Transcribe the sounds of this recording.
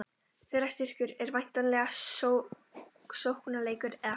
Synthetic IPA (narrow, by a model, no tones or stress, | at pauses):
θeːrḁst̪ɪr̥cʏɾɛɾvajn̥t̪anlɛːɣa | sowhkʏnaleːjkʏɾɛða